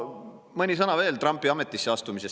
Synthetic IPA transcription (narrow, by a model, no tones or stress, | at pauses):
mɤnʲisɤnɑve̞ːlt̪ɾɑmpːˑiɑme̞t̪ːˑisːeɑst̪umise̞s